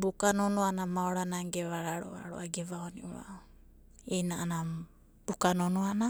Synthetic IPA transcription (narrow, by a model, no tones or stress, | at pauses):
bukanonoanamaoɾanaɡeβaɾaɾo̰a̰ɾoʔaɡeβaoniʔuɾa̰ʔ | ejnaʔana | bukanonoana